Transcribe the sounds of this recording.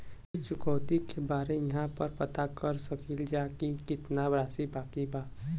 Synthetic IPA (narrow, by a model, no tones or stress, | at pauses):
ɪt͡ʃʰʊkəʊt̪ikebaːɾejɐɦãpəɾpɐt̪akəɾsəkild͡ʒaːkikɪt̪nabɾaːsibaːkibaː